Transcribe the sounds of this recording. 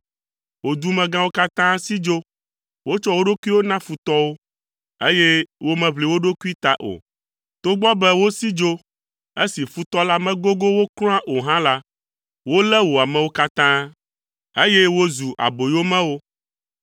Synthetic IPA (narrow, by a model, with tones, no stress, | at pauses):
wo˨d̪u˦mɛ̃˨ɡã˦wo˦ka˦t̪ã˦si˦d͡ʒo˦ | wo˦t͡ʃɔ˦wo˦ɖo˦ku˦i˦wo˦nã˦fu˨t̪ɔ˦wo˦ | e˦je˦wo˦mɛ̃˨βli˨wo˦ɖo˦ku˦i˦t̪a˦ʔo̰˨ | t̪o˦ɡ͡bɔ˦bɛ˦wo˦si˦d͡ʒo˦ | e˦si˨fu˦t̪ɔ˦la˦mɛ̃˦ɡo˦ɡo˦wo˦klɔ̃˦ã˦ʔo˨ɦã˦la˦ | wo˦lɛ˦wo˨a˨mɛ̃˨wo˦ka˦t̪ã˦ | e˦je˦wo˦zu˨ʔa̰˨bo˨jo˦mɛ̃˦wo˦